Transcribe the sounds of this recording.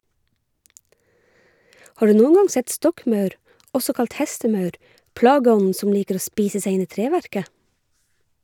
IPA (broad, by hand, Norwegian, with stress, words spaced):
ˈhɑː ˈɖʉː ˈnuːŋ̍ ˈɡɑŋ ˈsɛt ˈstɔkˌmœʉɾ ˈʔɔsɔ ˈkɑlt ˈhɛstəˌmœʉɾ ˈpɽɑːɡəˌɔnn̩ ˈsɔn ˈliːkəɾ ˈoː ˈspiːsə ˈseɪ ˈɪn ˈiː ˈtɾeːʋæɾkə